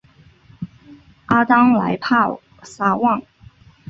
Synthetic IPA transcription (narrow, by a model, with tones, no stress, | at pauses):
a˥t̪ɑ˥ŋla̰˧˥ɪpʰa˥˩ | sa˥wɑ˥˩ŋ